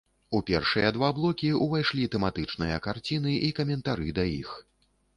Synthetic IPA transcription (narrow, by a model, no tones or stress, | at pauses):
upʲɛrʂɨjɐd̪vablˠɔkʲiuvajʂlʲit̪ɛmat̪ɨt͡ʂnɨjɐkart͡sʲin̪ɨikɐmʲɛnt̪aɾɨd̪ɐjḭx